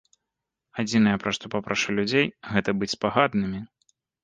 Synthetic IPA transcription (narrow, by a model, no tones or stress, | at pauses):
ad͡zʲin̪ɐjɐpɾɐʂt̪ɔpapɾaʂɨlʲud͡zʲejɣɛt̪ɐbɨt͡sʲspaɣad̪nɨmʲi